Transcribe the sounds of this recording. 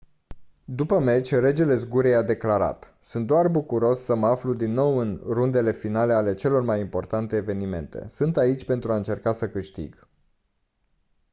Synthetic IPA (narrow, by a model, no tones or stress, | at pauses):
d̪upəme̞t͡ʃʲre̞d͡ʒe̞le̞zɡuɾejad̪e̞klaɾa̰t̪ | sunt̪̚d̪oarbukuɾo̞sːəməaflud̪inːo̞wɨnrund̪e̞le̞finale̞ale̞t͡ʃe̞lo̞rmajimpo̞rt̪ant̪e̞ːve̞nime̞̰nt̪e̞̰sɨnt̪ait͡ʃʲpe̞nt̪ɾuaɨnt͡ʃe̞rkasəkɨʃt̪ḭɡ